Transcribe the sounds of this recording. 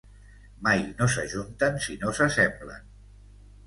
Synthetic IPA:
majnosə̰ʒunt̪ənsinosəsɛmblə̰n

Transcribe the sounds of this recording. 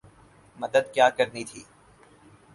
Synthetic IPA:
mɐd̪əd̪kjaːkɐɾnit̪ʰiː

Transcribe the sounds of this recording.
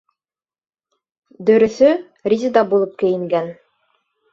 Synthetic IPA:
d̪ɵ̆ɾɵ̆θɵ | rʲizʲid̪ɑbulˠɤp̚kɘ̆jɘ̆ŋɡæn

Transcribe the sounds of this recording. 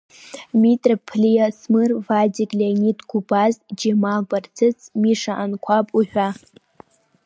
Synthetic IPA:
mitʼrpʰlijasmɨrvad͡ʒikʲʼlʲanitɡʷubazd͡ʒemabart͡sʰɨt͡sʰmiʂaʔankʷʰapʼuħᶣa

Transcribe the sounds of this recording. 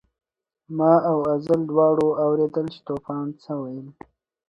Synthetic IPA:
mɑːawazald̪wɑːɽoawɾed̪əlt͡ʃe̥t̪opɑnt͡səwajəl

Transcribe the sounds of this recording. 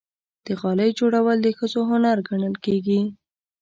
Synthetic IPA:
d̪̥əɣɑləjd͡ʒoɽawəld̪əxəzoɦʊnaɾɡaɳəlkeɡi

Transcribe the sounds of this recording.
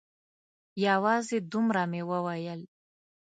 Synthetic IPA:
jawɑzed̪umɾamewəwajəl

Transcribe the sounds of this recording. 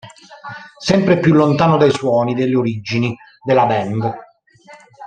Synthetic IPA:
sɛmpɾepjulːont̪aːnod̪ajswɔːnid̪elːeoɾid͡ʒini | d̪elːabɛnd̪

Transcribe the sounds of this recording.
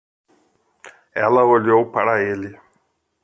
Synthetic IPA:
ɛlɐoʎowpaɾɐelɪ

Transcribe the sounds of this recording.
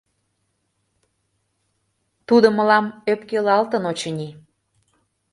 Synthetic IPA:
t̪ud̪oməlɑmøpkelɑlt̪ənot͡ɕənʲi

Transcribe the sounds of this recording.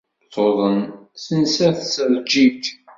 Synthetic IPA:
tːoðˤənθənsæθsəɾˤd͡ʒit̪

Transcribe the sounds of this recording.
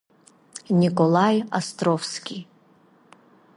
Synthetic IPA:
nʲikʼolˠajast̪ɾofskʲi

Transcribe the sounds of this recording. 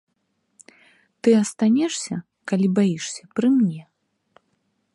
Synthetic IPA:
t̪ɨɐst̪anʲɛʂsʲɐ | kalʲibajiʂsʲɐpɾɨmnʲɛ

